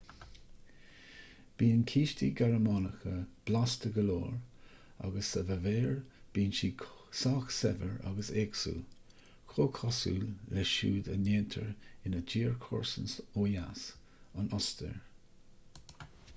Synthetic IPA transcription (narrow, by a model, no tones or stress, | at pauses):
b̥iːənkʰiːʃtiɡaɹəmɑːnəxəb̥last̪əɡəloːɹ | a̰ɡəsəvəveːɹb̥iːnʃiːkʰsaːxsɛvəɹa̰ɡəseːksṵː | kʰoːkʰɔsṵːlːɛʃuːd̪ə̰neːnt̪ʰəɹɪnəd͡ʒiːɹkʰɔ̰ɹsənsoːjas | anɔst̪ʰə̰ɹ